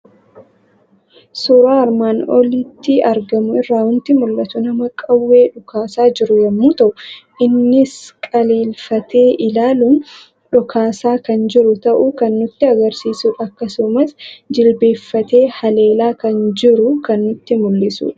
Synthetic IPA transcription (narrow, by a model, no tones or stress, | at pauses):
suɾaːɐɾmaːnɔlɪt̪ːɪɐɾɡɐmʊɪrːaːhʊnt̪ɪmʊlːɐt̪ʊnɐmɐkʼɐwːe̞ːᶑʊkʰaːsaːd͡ʒɪɾʊjɐmːuːt̪ɐʔʊʔɪnːɪskʼɐle̞ːlfɐt̪ʰe̞ːʔɪlaːlʊm | ᶑʊkʰaːsaːkɐnd͡ʒɪɾʊt̪ɐʔukɐnːʊt̪ːɪɐɡɐɾsiːsuᶑɐkːɐsʊmɐsd͡ʒɪlbe̞ːfːɐt̪e̞ːhɐle̞ːlaːkɐnd͡ʒɪɾʊkɐnːʊt̪ːɪmʊlːɪsṵːᶑɐ̥